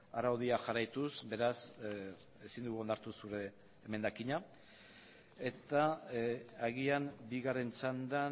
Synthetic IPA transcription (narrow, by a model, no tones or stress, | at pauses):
aɾawðiaʝaɾajt̪usbe̞ɾas | e̞sind̪uɣuo̞nd̪aɾt̪usuɾe̞ː | me̞nd̪akiɲa | e̞t̪a | aɣiambiɣare̞nt͡sand̪a